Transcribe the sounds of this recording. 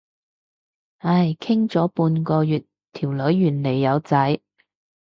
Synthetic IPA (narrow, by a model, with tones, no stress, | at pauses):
a˥˩jkʰɪ˥ŋt͡sɔː˨˥puː˧nkɔː˧jyː˨t | t̪ʰiː˨˩wlɵ˨˥ɥːyː˨˩nle˨˩jːɐ˨˧wt͡sɐ˨˥j